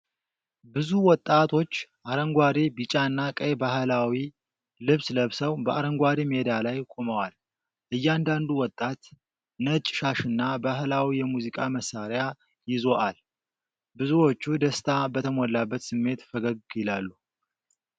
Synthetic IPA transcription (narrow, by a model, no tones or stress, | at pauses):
bɨzuwɔt̪ʼːat̪ʰo̞t͡ʃːʔaɾəŋɡʷaɾibit͡ʃʼaɨnːakʼəjbahlawi | lɨβsləβsəwbəʔaɾəŋɡʷaɾimed̪alajkʷʼo̞məwal | ʔɨjːand̪and̪uwɔt̪ʼːat̪ | nət͡ʃʼːʃaʃɨnːabaɦlawijɛmuzikʼaməsːaɾja | jɪzo̞ʔal | bɨzuwot͡ʃːud̪əst̪ʰabət̪ʰəmɔlːabːət̪sɨmːe̞t̪fəɡəɡjɪlalːu